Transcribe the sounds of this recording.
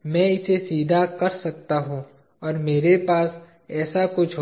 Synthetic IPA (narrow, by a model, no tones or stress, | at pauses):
mɛ̃ːɪsesiːd̪ʱakɐɾsɐkt̪aɦũ | ɔːɾmeːɾepaːs | ɛːsakʊt͡ʃʰɦ